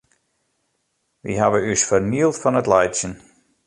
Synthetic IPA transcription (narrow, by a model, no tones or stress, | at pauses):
ʋḭɦaʋəysfərniəlˠtfɔnətlɛjtsjən